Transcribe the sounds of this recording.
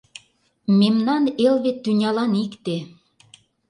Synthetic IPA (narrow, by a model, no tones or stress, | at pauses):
memnɑnelβet̪ːynʲɑlɑnikt̪e